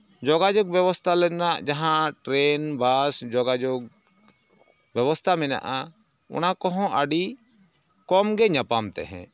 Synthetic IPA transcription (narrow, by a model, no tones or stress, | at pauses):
d͡ʒɔɡad͡ʒɔɡ̚bjɛwɔst̪ʰalɛnaʔd͡ʒaɦãʈɾɛnbasd͡ʒɔɡad͡ʒoɡ | bjɛwɔst̪ʰamɛna̰ʔa | ʊ̰nakɔɦɔ̃ʔaɖi | kɔmɡɛɲapamt̪ɛ̰ɦɛ̰̃